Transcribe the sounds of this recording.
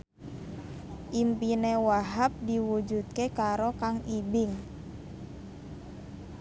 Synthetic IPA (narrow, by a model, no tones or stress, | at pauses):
ʔimpinewaɦap̚diwud͡ʒut̪̚kekaɾokaŋʔibiŋ